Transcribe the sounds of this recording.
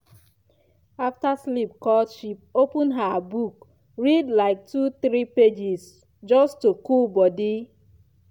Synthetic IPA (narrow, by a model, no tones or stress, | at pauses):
aftaslip̚kɔʃip̚opũnɦabuk | ɹidlaɪk̚tuθɾiped͡ʒis | d͡ʒɔstukulbɔdi